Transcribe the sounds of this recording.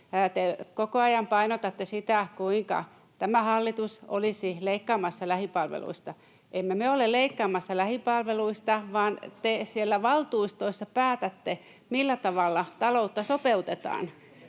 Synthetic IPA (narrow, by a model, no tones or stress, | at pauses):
t̪ekokoɑjɑmpɑinot̪ɑt̪ːesit̪ækuiŋkɑ̰ | t̪æmæhɑlːit̪uso̰lisileikːɑːmɑsːɑlæhipɑlʋḛlṵist̪ɑ | ʔemːemeolelleikːɑːmɑsːɑlæhipɑlʋeluist̪ɑʋɑːnt̪esielːæʋɑlt̪uist̪oisːɑpæːt̪æt̪ːe | milːæt̪ɑʋɑlːɑt̪ɑlout̪ːɑsopeut̪et̪ɑ̰ːn